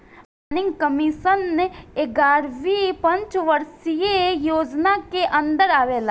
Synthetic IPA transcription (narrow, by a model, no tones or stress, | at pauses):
anɪŋɡkəmiːʃənːeeɡaːɾʋipɐ̃ɲt͡ʃʋɐɾsijejoːd͡ʒnakeʔɐ̃nd̪əɾaːʋeːlaː